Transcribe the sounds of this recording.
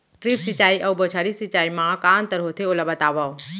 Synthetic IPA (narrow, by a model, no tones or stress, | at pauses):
ʈɾipsit͡ʃaːiʔɐwbot͡ʃʰaːɾisit͡ʃaːimãkaːnt̪əɾɦot̪ʰeolabət̪aːʋao